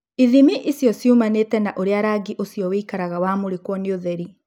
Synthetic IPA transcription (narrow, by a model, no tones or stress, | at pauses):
iðimiʔisjɔsjumanetɛnaʔoɾeaɾaɡiʔosjɔweikaɾaɣawaːmoɾekwɔnioðɛɾi